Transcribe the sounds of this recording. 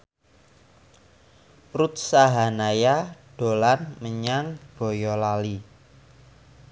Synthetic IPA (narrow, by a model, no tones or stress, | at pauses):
rut̪̚saɦanajaɖ̥o̤lanməɲaŋɡ̥o̤jɔlali